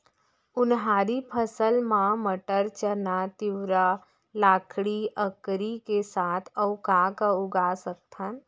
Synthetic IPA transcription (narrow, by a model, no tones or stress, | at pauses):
ʊnɦaːɾipʰəsəlmãməʈəɾt͡ʃənat̪ɪwɾa | laːkʰɽiʔəkɾikesaːt̪ʰəwkaːkaʊɡasək̚t̪ʰən